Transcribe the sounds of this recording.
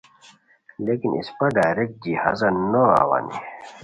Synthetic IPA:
lekinḭspɐɖaːɾek̚d̪iha̰zɐnoa̰wa̰ni

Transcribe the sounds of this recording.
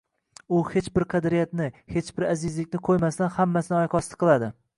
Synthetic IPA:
ʊhe̞t͡ʃbɪɾqʰɑd̪ɾijat̪nɪhe̞t͡ʃbɪɾazɪzlɪkʲnɪqʰojmast̪anhamːasɪnɪɒjqʰɒst̪qʰɨlˠad̪ɪ

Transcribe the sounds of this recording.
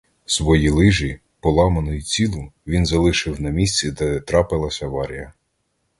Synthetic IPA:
sʋɔjilˠɪʒi | pɔlˠɑmɐnɔjit͡sʲilˠʊʋʲinzɐlˠɪʃɪwnɐmʲisʲt͡sʲid̪ɛt̪ɾɑpɪlˠɐsʲɐʋɑɾʲḭjɐ

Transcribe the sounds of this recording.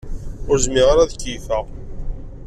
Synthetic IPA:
ʊɾzmiʁaɾæðkːiθæ

